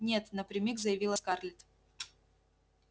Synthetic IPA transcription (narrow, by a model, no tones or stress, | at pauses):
nʲe̞t̪nəpɾʲɪmʲikzəjɪvʲilˠəskarlʲɪt̪